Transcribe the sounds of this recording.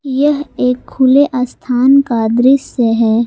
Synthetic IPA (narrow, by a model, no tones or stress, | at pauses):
jɐɦeːkʰːʊleʔaːst̪ʰaːnkaːd̪ɾɪsːeɦɛː